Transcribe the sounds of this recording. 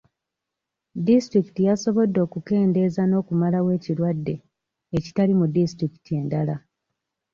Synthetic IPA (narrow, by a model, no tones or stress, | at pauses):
distɾiki̥tijaso̞βo̞dːo̞ːkuke̞ːnde̞zano̞ːkumalawe̞ːcilwadːe̞ | eci̥talimudistɾiki̥tie̞ndala